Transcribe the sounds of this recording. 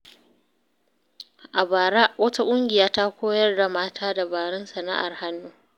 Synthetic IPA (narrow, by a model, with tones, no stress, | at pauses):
ʔa˨baː˨ɾa˦ʔwɐ˦ta˦kʷʼʊ˦ŋɡʲɪ˨jaː˦ta˦kʷoː˦jɐ˦rda˨maː˦tʰaː˦da˨baː˨ɽɛ˦nsɐ˨na̰˦ʔa̰˨rha˦nːuː˦